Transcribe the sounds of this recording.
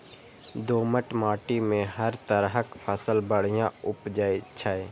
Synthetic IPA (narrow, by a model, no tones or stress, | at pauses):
d̪oːməʈmaːʈimẽɦəɾt̪əɾɦəkpʰəsəlbəɽ̤ɪjãʊpd͡ʒəet͡ʃʰəe